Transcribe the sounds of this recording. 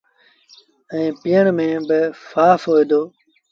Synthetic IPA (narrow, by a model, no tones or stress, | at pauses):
ə̃ĩːpɪjəɳmẽːbɪfaːfɦoːid̪oː